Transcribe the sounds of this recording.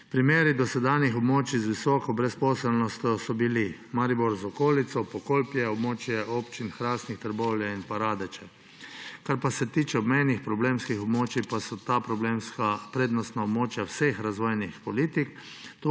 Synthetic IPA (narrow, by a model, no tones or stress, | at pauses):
pɾimeːɾid̪ɔsɛd̪anjixɔbmoːt͡ʃizʋisɔːkɔbɾɛspɔːsɛlnɔst̪jɔsɔbili | maɾiboɾzɔkoːlit̪sɔpɔkolpjɛɔbmoːt͡ʃjɛʔoːpt͡ʃinxɾaːsnixt̪əɾbowljɛinpaɾaːd̪ɛt͡ʃɛ | kaɾpasɛt̪iːt͡ʃɛɔbmɛjnixpɾɔbleːmskixɔbmoːt͡ʃipasɔt̪apɾɔblemskapɾeːd̪nɔst̪naɔbmoːt͡ʃjawsexɾazʋoːjnixpɔliːt̪ik | t̪o